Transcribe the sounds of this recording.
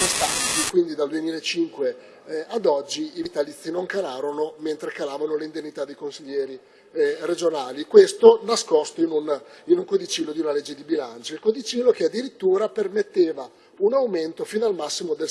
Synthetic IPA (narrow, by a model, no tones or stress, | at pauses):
ist̪ant̪ikwind̪id̪ald̪uemiːlaet͡ʃiŋkwe | ad̪ɔd͡ʒːiːvit̪alit̪sːinoŋkalaːɾonoment̪ɾekalaːvanoleind̪enːit̪ad̪ejkonsiʎːɛːɾi | red͡ʒonaːlikwest̪onaskɔst̪oinuninuŋkod̪it͡ʃilːod̪iunaled͡ʒːed̪ibilant͡ʃoilkod̪it͡ʃilːokead̪ːiɾit̪ːuːɾapermet̪ːeːva | unawment̪ofinalmasːimod̪el